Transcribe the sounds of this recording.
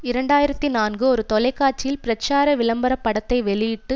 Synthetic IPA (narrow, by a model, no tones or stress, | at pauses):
ɪɾɐɳɖaːjɪɾɐt̪ːinaːnɡɯɔɾɯt̪ɔlɐɪkːaːɾt͡ʃːɪjɪlpɪɾɐt͡ʃːaːɾɐʋɪɭɐmbɐɾɐpːɐɽɐt̪ːɐɪʋɛɭɪjɪʈːɯ